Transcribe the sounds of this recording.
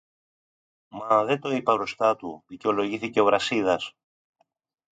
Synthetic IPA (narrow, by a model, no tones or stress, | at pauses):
mɐðet̪o̞ipɐɾost̪ɐt̪uðice̞o̞lo̞ʝiθice̞o̞vɾɐsiðɐs